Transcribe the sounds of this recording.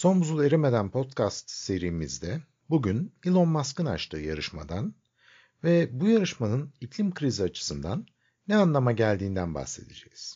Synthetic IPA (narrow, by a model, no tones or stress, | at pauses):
so̞nbuzulˠeɾime̞d̪ænpʰo̞t̪cʰast̪se̞ɾiːmizd̪ɛ | buɟynilˠo̞nmaskɯna̰t͡ʃt̪ʰɯːjaɾɯʃma̰d̪an | vɛbujaɾɯʃmanɯnicʰlʲimkʰɾiziat͡ʃʰɯ̥sɯnd̪anː | ɛanlˠamaɟælʲd̪iːnd̪ænba̰hse̞d̪ḛd͡ʒḛjiz̥